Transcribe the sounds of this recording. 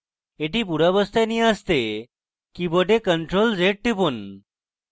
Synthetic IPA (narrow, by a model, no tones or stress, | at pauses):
eʈip̬uɽabəst̪ʰajniast̪e | kibəʈekəɳʈɾold͡zeʈ̚ʈipun